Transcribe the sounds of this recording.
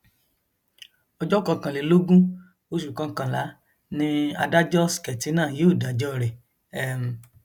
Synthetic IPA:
ɔ˧d͡ʒɔ˦kɔ˧˨kã˨le˨˦lo˦ɡũ˦ | o˦ʃ̬u˨kã˧˦kã˧˨la˨˦ | nĩ˦a̰˧da˦d͡ʒɔ˦skɛ˨ti˨˦nãː˦˨je˨˦o˦˨da˨d͡ʒɔ˦ɾɛ˨ | ɛ˨m˨

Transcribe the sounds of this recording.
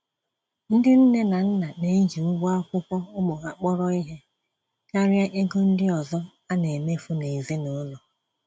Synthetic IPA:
n̩˦dɪ˦n̩˦ne˦na˨n̩˦na˨ne˨i˦d͡ʒi˨ʊ˦ɡa˦kʷʊ˦kʷɔ˦ʊ˦mʊ˨ɣa˨k͡pɔ˦ɾɔ˦i˦ɦe˦ | ka˦ɾɪ˦a˦ʔe˦ɡo˦n̩˦dɪ˦ɔ˨zɔ˦ | a˦ne˨me˦fʊ˦ne˨i˨zi˦nʊ˨˦nʊ˨

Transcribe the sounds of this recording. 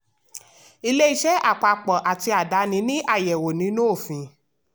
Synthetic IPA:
i˧le˦i˧ʃɛ˦ʔa˦˨k͡pa˨k͡pɔ˨ʔa˨ti˧a˨da˨˧˦nĩ˧˦nĩ˦ʔa˦˨jɛ˨wo˨nĩ˨˦nũ˦o˦˨fĩ˨

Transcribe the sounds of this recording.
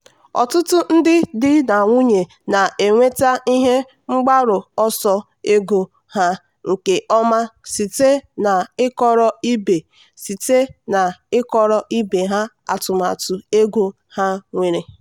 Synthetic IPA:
ɔ̰˨tʊ˦tʊ˦n̩˦dɪ˦dɪ˦na˨ŋʷu˦ɲe˨ | na˨e˨ŋʷe˦ta˦i˦ɦe˦ | ŋ͡m̩˦ɡ͡ba˦ɾʊ˨ɔ˦sɔ˦ | e˦ɡu˦ | ha˦ | o˨ke˨ʔɔ˦ma˦si˨te˦na˨ɪ˦kɔ˦ɾɔ˦i˦be˨ | si˨te˦na˨ɪ˦kɔ˨ɾɔ˦ʔi˦be˨ɦa˦ | a̰˨tʊ˨ma̰˨tʊ˨e˦ɡʷu˦ | ha˦ŋʷe˨ɾe˨

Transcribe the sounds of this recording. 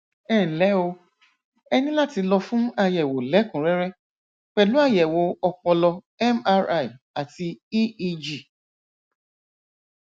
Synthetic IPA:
ɛː˦˨lɛ˨˦o˧ | ɛ˧nĩ˦la˦ti˧lɔ˧fũ˦a˧jɛ˨wo˨lɛ˨˦kũ˨ɾɛ˨˦ɾɛ˦ | k͡pɛ˨lu˨˦a˦˨jɛ˨wo˨˦ɔ˧k͡pɔ̃˧lɔ˧ | ɛ˦ma˦ɾa˦˨i˨ | a˨ti˧i˦i˦d͡ʒi˦˨

